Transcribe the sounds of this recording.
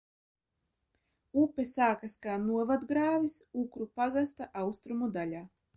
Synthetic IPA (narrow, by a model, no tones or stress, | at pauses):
upesaːkaskaːnuɔvad̪ɡɾaːvisukɾupaɡast̪aʔawst̪ɾumud̪aʎʲaː